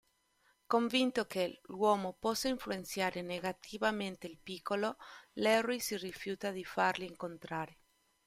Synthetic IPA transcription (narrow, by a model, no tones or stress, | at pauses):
koɱvint̪okelwɔːmopɔsːaiɱfluent̪sjaːɾeneɡat̪ʰivament̪eilpikʰːololɛrisirifjuːt̪ad̪ifaɾliːŋkont̪ɾaːɾe